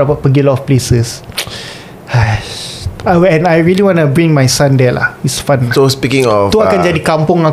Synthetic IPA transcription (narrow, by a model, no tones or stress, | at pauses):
apat̚pəɡilɔɔfplesəs | a | aɛ̃najɹiliwɔ̃nəbɹĩŋmajsãndɛla̰hitsfãnsospikɪ̃ŋɔft̪uakãnd͡ʒadikampʊŋa